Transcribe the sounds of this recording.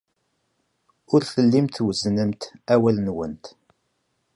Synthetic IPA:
ʊɾθəlːimt̪wəznəmt̪æwælnwənt̪

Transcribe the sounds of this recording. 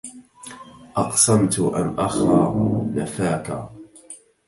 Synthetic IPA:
ʔɑqsˤamt̪ʊʔa̰nʔaxaːnafaːka̰

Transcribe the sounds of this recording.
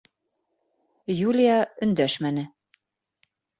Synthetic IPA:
julʲijɑɵ̆nd̪æʃmænɘ

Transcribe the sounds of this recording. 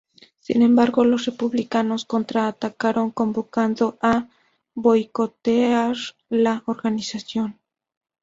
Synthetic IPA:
sḭnẽ̞mbaɾɣo̞lo̞sre̞puβlikano̞sko̞nt̪ɾaːt̪akaɾo̞ŋko̞mbo̞kand̪o̞ʔa | βo̞jko̞t̪eaɾ | laʔoɾɣanisasjo̞n

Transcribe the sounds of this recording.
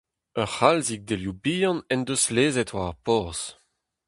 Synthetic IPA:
œʁhalzik̚d̪eljubijɑ̃nɛnd̪øsleːzɛt̪waʁpɔʁz̥

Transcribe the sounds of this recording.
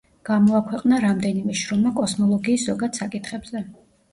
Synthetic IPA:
ɡ̥amɔakʰwɛqʼnaɾamd̪ɛnimɛʃɾɔmakʼɔsmɔlˠɔɡiːszɔɡad̪sakʼit̪ʰχɛbzɛ

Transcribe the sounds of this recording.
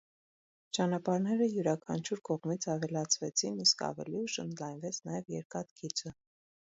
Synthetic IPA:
t͡ʃɑnɑpɑɾnɛɾəjuɾɑkʰɑ̰nt͡ʃʰuɾkɔʁmit͡sʰɑvɛlɑt͡sʰvɛt͡sʰiniskɑ̰vɛ̰liuʃə̰nd̪lɑjnvɛt͡sʰnɑjɛvjɛ̰ɾkɑt̪kʰit͡sʰə

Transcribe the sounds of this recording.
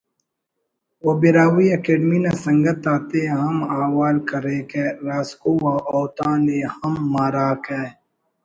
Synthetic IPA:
wobiɾaːwiɐkeːɖminasɐŋɡɐt̪aːt̪eɦɐmaːwaːlkɐɾeːkeɾaːskuwaʔoːwt̪ãːnehɐmːaːɾaːkeː

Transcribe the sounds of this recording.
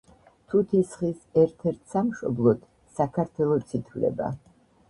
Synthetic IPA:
t̪ʰut̪ʰisχisɛɾt̪ʰɛɾt̪ʰsamʃɔ̰blˠɔt̪ʰ | sakʰaɾt̪ʰwɛlˠɔt̪sʰit̪ʰvlɛ̰ba̰

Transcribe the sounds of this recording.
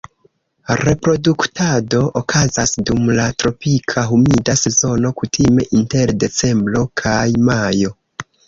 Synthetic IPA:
ɾe̞pɾo̞duktado̞ʔokʰazasdumlatɾo̞pikʰaɦumidase̞zo̞no̞kutʰime̞ʔinte̞ɾde̞t͡se̞mbɾo̞kʰajmajo̞

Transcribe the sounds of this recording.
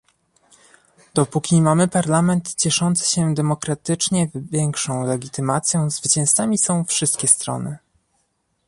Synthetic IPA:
d̪̥ɔpukʲimamɘpaɾlamɛnt̪t͡ɕɛʂɔnt̪sɘ̥ɕɛd̪ɛmɔkɾat̪ɘt͡ʂɲɛvvʲjɛŋkʂɔ̃w̃lɛɡʲit̪ɘmat̪sʲjɔ̃w̃zvɘt͡ɕɛ̃ñst̪amʲisɔ̃w̃fʂɘst̪kʲɛst̪ɾɔ̰nɘ

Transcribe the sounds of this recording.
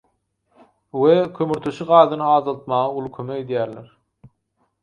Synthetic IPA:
wekʰʲømyɾt̪ʰøʃiɢɑːðɯnɯɑːzɑlˠt̪̚mɑːʁɑulˠukʲʰømeked̪jæːɾleɾ

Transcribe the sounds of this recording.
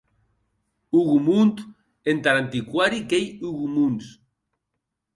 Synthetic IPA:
uɣumunt̪ | ent̪aɾant̪ikwaɾikejuɣumuns

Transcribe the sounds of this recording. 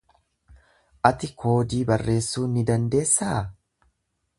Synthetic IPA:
ʔɐt̪ɪkʰo̞ːd̪iːbɐrːe̞ːsːuːnɪd̪ɐnd̪e̞ːsːa

